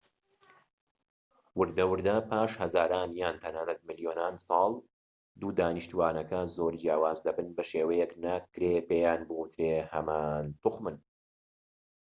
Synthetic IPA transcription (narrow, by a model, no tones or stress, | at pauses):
wɨɾd̪ɐwɨɾd̪ɐpʰaːʃhɐzaːɾaːnjaːnt̪ʰɐnaːnɐt̪̚mɨlijoːnaːnsˤɑːlˠ | d̪uːd̪aːniʃt̪uwaːnɐkɐzoːɾd͡ʒjaːwaːzd̪ɐbɨnbɐʃeːwɐjɛknakːɾeːbeːjaːnbɨwut̪ʰɾeːhɐmaːnt̪uxmɨn